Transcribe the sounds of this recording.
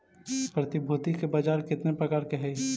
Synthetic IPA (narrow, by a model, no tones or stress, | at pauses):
pɾɐt̪ɪbʱut̪ikebaːd͡ʒaːɾkɪt̪nepɾɐkaːɾkeɦɛ